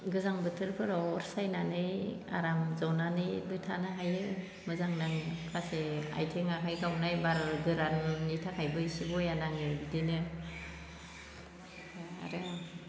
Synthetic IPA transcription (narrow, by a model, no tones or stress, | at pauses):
ɡɯzaŋbɯtʰɯɾpʰɯɾɔɔɾsajnanɯja̰ɾamzawnanɯjbɯtʰanɯɦajɯ | mɯzaŋnaŋkʰasea̰jtʰeŋakʰajɡawnajbaɾɡɯɾanːitʰakʰajbɯjsibɔjanaŋɯbidinɯ | a̰ɾɯ